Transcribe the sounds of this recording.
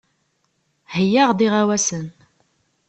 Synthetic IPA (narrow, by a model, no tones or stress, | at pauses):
həjːaʁd̪iʁawæsən